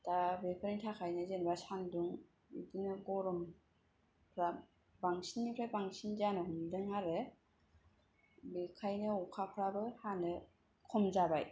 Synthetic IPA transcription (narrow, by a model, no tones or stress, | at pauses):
tabepʰɯɾnitʰakʰajnɯzenbasanduŋ | bḭdinɯɡɔɾɔm | pʰɾa | baŋsinːipʰɾabaŋsinzanɯhumdɯŋaɾe | bikʰajnɯɔkʰapʰɾabɯhanɯ | kʰɔmzabaj